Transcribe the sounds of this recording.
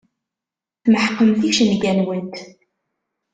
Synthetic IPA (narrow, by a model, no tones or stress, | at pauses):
θməħqːəmθiʃənɡænwənt̪